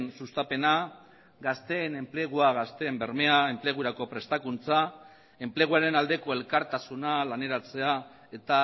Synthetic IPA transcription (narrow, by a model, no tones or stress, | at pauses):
nsust̪ape̞na | ɡast̪e̞ːne̞mpleɣ̞uaɣast̪e̞ːmbe̞ɾme̞ae̞mple̞ɣ̞uɾako̞pɾe̞st̪akunt͡sa | e̞mple̞ɣ̞uaɾe̞nald̪e̞ko̞e̞lkaɾt̪asunalane̞ɾat͡se̞a | e̞t̪a